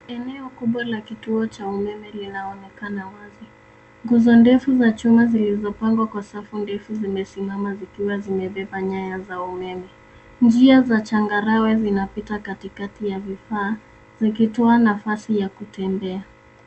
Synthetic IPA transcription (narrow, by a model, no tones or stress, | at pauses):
ɛnɛɔkuɓwalakituɔt͡ʃaumɛmɛlinaɔnɛkanawazi | ŋɡuzɔndɛfuzat͡ʃumazilizɔpaŋɡwakwasafundɛfuzimɛsimamazikiwazimɛɓɛɓaɲajazaumɛmɛ | nd͡ʒiazat͡ʃaŋɡaɾawɛzinapitakatikatijavifaː | zikitɔanafasijakutɛmbɛa